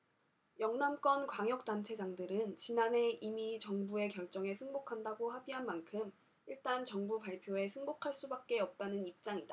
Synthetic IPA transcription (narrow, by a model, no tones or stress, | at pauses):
jʌŋnamk͈ʌnkwaŋjʌk̚t͈ant͡ɕʰe̞d͡ʑaŋdɯɾɯnt͡ɕinane̞imit͡ɕʌŋbue̞kjʌɭt͡ɕ͈ʌŋe̞sʰɯŋbokʰandaɡoɦabiɦanmankʰɯm | iɭt͈ant͡ɕʌŋbupaɭpʰjoe̞sʰɯŋbokʰaɭs͈ubak̚k͈e̞ʌp̚t͈anɯnip̚t͡ɕ͈aŋid̥a